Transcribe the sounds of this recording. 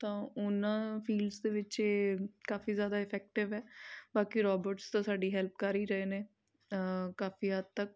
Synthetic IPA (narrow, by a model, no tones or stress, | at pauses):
t̪ãːʊnãːpʰiːlsd̪eːʋɪt͡ʃeːkaːfiːzjaːd̪aːɪpʰɛːk̚ʈɪʋɛːbaːkiːɾɔːbəɾʈst̪ãːsaːɖiːɦɛlp̚kəɾiːɾəeːneː | kaːfiːɦəd̪̚t̪ək̚